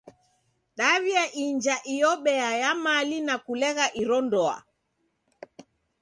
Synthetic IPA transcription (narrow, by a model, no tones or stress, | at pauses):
ɗaβiaʔiɲd͡ʒaʔijɔɓɛajamalinakulɛɣaʔiɾɔndɔa̰